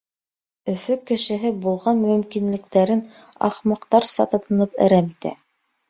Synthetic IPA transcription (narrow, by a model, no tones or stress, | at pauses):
ɵ̆fɵkːɘ̆ʃɘ̆ɦɘbulˠʁɑnmɵ̆mkinlɘ̆kt̪æɾɘn | ɑ̰χmɑqt̪ɑɾsɑ̰t̪ŏt̪ɤ̆nɤpɘ̰̆ɾæmit̪æ̰